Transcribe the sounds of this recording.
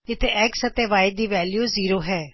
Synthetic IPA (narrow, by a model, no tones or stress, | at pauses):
ɪt̪ʰeʔɛksɐt̪eʋaːɪd̪d̪iːʋɛːljuːziːɾoːɦɛː